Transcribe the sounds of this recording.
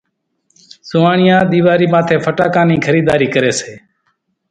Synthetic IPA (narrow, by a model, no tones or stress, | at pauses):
sʊːaːɳɪjãːɗ̪iːʋaːɾiːmãːt̪ʰeːpʰəʈaːkãːnĩːkʰəɾiːd̪aːɾiːkəɾeːseː